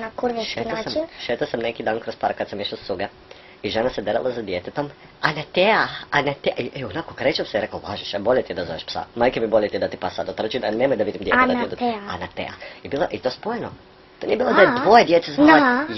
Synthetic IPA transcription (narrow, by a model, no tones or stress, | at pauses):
nakuɾʋiʃʃensamʃet̪asamnekid̪aːnkɾospaɾkad̪samiʃlasuɡa | iʒenased̪eɾa̰lˠazad̪jet̪et̪om | anat̪eaanet̪eieonakokɾet͡ʃamseiɾekolaʒiʃboʎet̪ied̪azoʋeʃpsa̰majkemiboʎʲet̪ijd̪at̪ipasad̪ot̪r̩t͡ʃid̪anemojd̪aʋid̪imd̪jeeaid̪anat̪ḛa̰ibiːlˠoʔit̪oːspojeno | t̪oniebiːlˠod̪ajet̪ʋojed̪jet̪eza